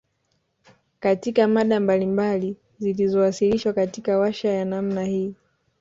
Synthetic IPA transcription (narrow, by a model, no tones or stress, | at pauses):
katikamaɗambalimbali | zilizɔwasiliʃwakatikawaʃajanamnahiː